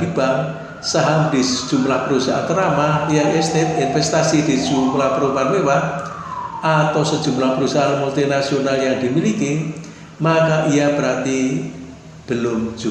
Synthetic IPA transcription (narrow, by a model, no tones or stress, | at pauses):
dib̥aŋ | saɦambisə̥d̥ʒ̥ṳmlahpəɾusa̰ʔa̰t̪əɾamaiaɛst̪et̪̚infɛst̪asid̪̥i̤̥ʒ̥umlahpəɾupanwewat̪̚ | at̪awsə̥ʒ̥umlahpəɾusaʔamult̪inasionaljaŋd̪̥imiliki | makaʔijab̥əɾart̪i | b̥əlʊm̥d͡ʒu